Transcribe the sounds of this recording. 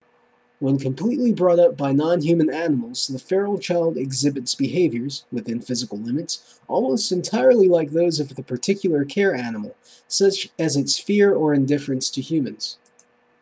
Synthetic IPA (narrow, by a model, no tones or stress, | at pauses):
wə̃nkʰɨ̃m̩pʰl̥itˡlibɹɔɾʌp̚b̥aɪnɑ̃nɦjʉmɨ̃nænəml̩ˠz̥ðəfɛɹl̩ˠt͡ʃʰaɪlˠdɨɡzɪbɨtsb̥ɨɦeɪvjə˞zwɨθɪ̃nfɪzɨkl̩ˠlɪ̃mɨts | ʔɔlˠmoʊstɨ̃ntʰaɪə˞lˠilaɪk̚ðoʊzʌvðɨpʰə˞tʰɪkʰjl̩ˠə˞kʰɛɹænəml̩ˠ | sʌt͡ʃɨzɨtsfɪɹə˞ɨ̃ndɪfɹɨ̃nstʰɨhjʉmɨ̃nz̥